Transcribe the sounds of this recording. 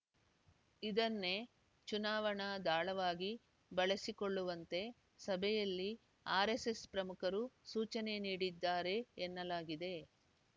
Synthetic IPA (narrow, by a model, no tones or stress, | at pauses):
id̪ɐnːe̞ | t͡ʃunaːʋɐɳɐd̪aːɭɐʋaːɡi | bɐɭɐsikoɭːuʋɐnt̪e̞ | sɐbʱɛjɐlːi | aːɾe̞se̞spɾɐmukʰɐɾusuːt͡ʃɐne̞niːɽid̪ːaːɾe̞ːnːɐlaːɡid̪e̞